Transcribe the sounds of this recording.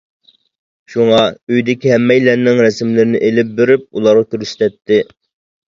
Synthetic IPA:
ʃuŋɑøjd̪ɪkʲiɦɛmːɛjlɛɾnːɪŋɾɛsɪmlɪɾɪnɪʔelɪp̚beɾyp̚ulˠɑɾʁɑkʲøɾst̪ʰɛt̪ʰːɪ

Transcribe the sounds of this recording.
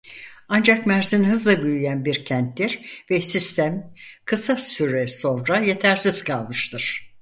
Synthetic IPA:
and͡ʒakmæɾzinhɯzlˠabyjyjænbiɾcʰænt̪d̪iɾvɛsist̪ʰæmkʰɯsasyɾɛso̞nɾaje̞t̪ʰæɾsiz̥kʰalˠmɯʃt̪ʰɯɾ̥

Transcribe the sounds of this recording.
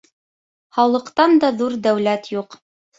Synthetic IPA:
χɑwlˠɤ̆qt̪ɑnd̪ɑðuɾd̪æwlæt̪juq

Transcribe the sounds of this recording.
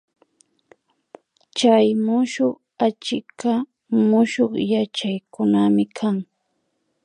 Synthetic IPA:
t͡ʃajmʊʃoχ | at͡ʃɪka | mʊʃoχjat͡ʃajkʊnamɪkʰaŋ

